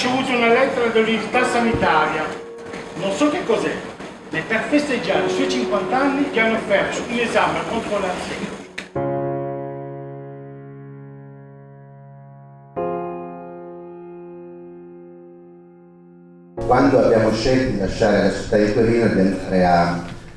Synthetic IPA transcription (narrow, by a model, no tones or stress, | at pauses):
t͡ʃevuːt̪uunalɛt̪ːeɾad̪elːibirt̪asanit̪aːɾja | nonsɔk̟ːekːɔzɛ | nepːerfest̪ed͡ʒːaːɾisuɔjt͡ʃiŋkwant̪aanːivianːopɛrsounezamekɔkolat̪sɛ̰ | kwand̪oabjaːmoʃɛlt̪od̪ilaʃːaːɾealasu̥t̪ːaik̪eɾiːnad̪ɛnɾeanːi